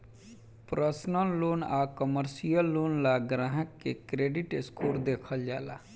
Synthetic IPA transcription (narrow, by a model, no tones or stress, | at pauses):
pɾʔəsnəlːoːnaːkəməɾsijəlːoːnlaɡɾãːɦəkːekɾeːɖɪʈɪskoːɾd̪eːkʰəld͡ʒaːlaː